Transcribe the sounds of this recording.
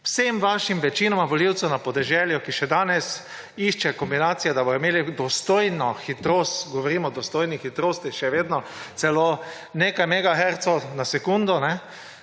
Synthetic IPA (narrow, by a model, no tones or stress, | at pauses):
wsemʋaːʃimʋɛt͡ʃinɔmaʋɔliwtsɛwnapɔd̪ɛʒɛljukiʃɛd̪aːnɛs | iʃt͡ʃɛkɔmbinaːt̪sijɛd̪aboɔimeːlid̪ɔst̪oːjnɔxit̪ɾoːst̪ɡɔʋɔɾiːmɔd̪ɔst̪oːjnixit̪ɾoːst̪iʃɛʋeːd̪nɔ | t̪sɛlo | neːkajmɛɡaxɛɾt̪sɔnasɛkund̪ɔnɛ